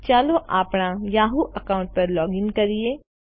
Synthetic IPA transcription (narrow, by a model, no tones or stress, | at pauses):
t͡ʃaːloʔaːpɽ̃ajaːɦuʔɐkaːʊ̃ɳʈ̚pɐɾlɔːɡɪ̃ŋkɐɾie